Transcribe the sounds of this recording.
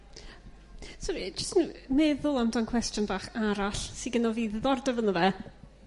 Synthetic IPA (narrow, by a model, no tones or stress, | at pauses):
sɔɾid͡ʒəstnuːmɛðʊlˠamdankʰwɛstjɔnbaːχaɾaɬsiɡənɔviːððɔrdəvənəvɛ